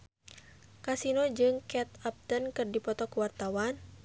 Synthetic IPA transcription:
kasinod͡ʒɨŋkɛt̪ap̚t̪ənkɨrdipɔt̪ɔkuwart̪awan

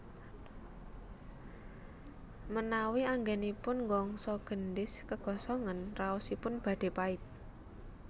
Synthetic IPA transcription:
mənawiaŋɡɛnipʊnŋɡɔŋsɔɡ̥ə̤nɖɪskəɡ̥ɔ̤sɔŋənraɔsipʊnb̥ä̤ɖ̥e̤paɪt̪̚

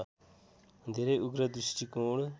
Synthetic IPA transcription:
d̪ʱeɾeuɡɾəd̪ɾisʈikoːɽ

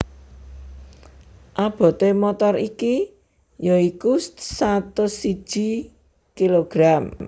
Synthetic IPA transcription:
ʔab̥ɔ̤t̪emɔt̪ɔriki | joikussat̪ʊsi̥ʒ̥i̤ | kiloɡ̥ɾam

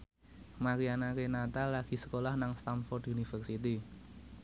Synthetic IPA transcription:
makianakenat̪alaɡ̥i̤sə̥kolahnaŋst̪amfɔrd̪unifərsit̪i

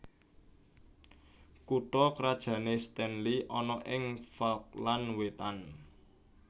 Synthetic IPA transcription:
kuʈɔkɾad̥ʒ̥ä̤nest̪ɛnliʔɔnɔʔɪŋfalk̚lanwet̪an

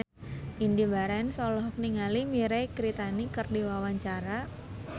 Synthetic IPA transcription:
ʔindibaɾansɔlɔhkniŋalimiɾejkɾit̪anikərdiwawaɲt͡ʃaɾa

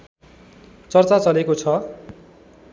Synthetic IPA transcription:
t͡sʌrt͡sat͡sʌlekot͡sʰʌ

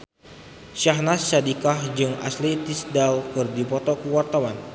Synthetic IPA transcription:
ʃaɦnasːadikahd͡ʒɨŋa̰slit̪isdalkɨrdipɔt̪ɔkəwart̪awan

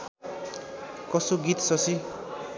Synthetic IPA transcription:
kʌsoɡit̪sʌsi

